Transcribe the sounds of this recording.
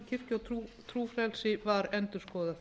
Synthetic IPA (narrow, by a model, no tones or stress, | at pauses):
cʰɪr̥cɔut̪ʰɾuːfɾɛlsɪvaɾɛnt̪ʏɾ̥skɔːða